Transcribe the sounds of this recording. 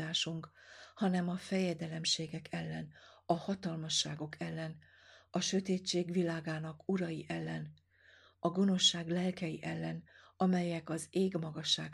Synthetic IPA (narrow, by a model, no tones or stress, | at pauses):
aːʃuŋkhɒnɛmɒfɛjɛd̪ɛlɛmʃeːɡɛkʰɛlːɛnɒhɒt̪ɒlmɒʃːaːɡo̞kʰɛlːɛn | ɒʃø̞t̪eːt͡ʃːeːɡʋilaːɡaːnɒkuɾɒjiʔɛlːɛn | ɒɡo̞no̞ʃːaːɡlɛlkɛjḭʔɛlːɛn | ɒmɛjɛkɒzeːɡmɒɡɒʃːaːk